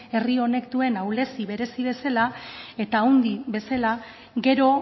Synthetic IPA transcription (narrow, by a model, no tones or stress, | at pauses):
e̞rio̞ne̞kt̪ue̞nawle̞siβe̞ɾe̞siβe̞salae̞t̪aːwnd̪iβe̞sala | ɡe̞ɾo̞